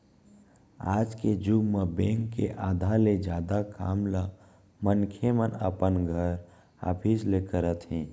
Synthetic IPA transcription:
a̰ːd͡ʒked͡ʒubməbɛ̃ːŋkːḛʔaːd̪ʱaled͡ʒjaːd̪akaːmla | mənkʰemənə̰pənɡʱəɾ | a̰ːpʰislekəɾət̪ɦɛ̃ː

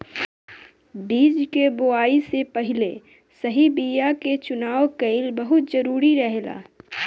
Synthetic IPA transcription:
biːd͡ʒkeboaːisepɐɦɪle | sɐɦibiːjaket͡ʃʊnaːokeɪlbɐɦʊt̪zɐɾuːɾiɾɐɦla̰ː

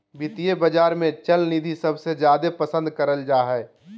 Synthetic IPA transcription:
bit̪ijebəd͡ʒaːɾmẽt͡ʃəlnid̪ʱisɐbsed͡ʒjaːd̪epəsə̃nd̪kəɾəld͡ʒaːɦɛː

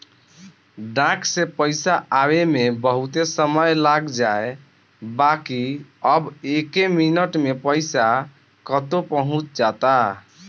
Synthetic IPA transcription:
ɖãksẽpəɪsaʔawemebəɦut̪esəməjlaɡd͡ʒae | bakiəbekeminəʈmepəɪsa | kət̪opəɦũt͡ʃd͡ʒat̪a

